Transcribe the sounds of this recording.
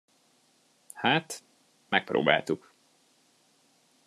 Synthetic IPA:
haːt̪ | mɛk̚pro̰ːba̰ːlt̪uk

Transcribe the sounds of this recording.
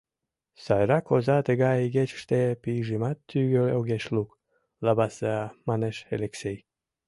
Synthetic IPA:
sɑjɾɑkozɑt̪əɣɑjiɣet͡ɕʃt̪epijʒimɑt̪ːyɣøoɣeʃluk | lɑβɑsemɑneʃeleksej

